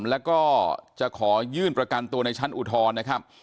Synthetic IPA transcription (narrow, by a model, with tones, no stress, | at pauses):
lɛː˦˥wkɔː˥˩t͡ɕa˨˩ʔkʰɔː˩˦jɯː˥˩npɾa˧ka˧nt̪u˧ɐna˧jt͡ɕʰa˦˥nʔu˨˩t̪ʰɔː˧nːa˦˥kʰa˦˥p̚